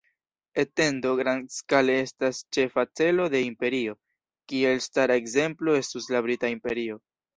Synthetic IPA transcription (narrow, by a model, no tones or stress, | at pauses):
ete̞ndo̞ɡɾanskale̞e̞stast͡ʃe̞fat͡se̞lo̞de̞impe̞ɾio̞ | kie̞lstaɾaekze̞mplo̞e̞stuslabɾitaimpe̞ɾio̞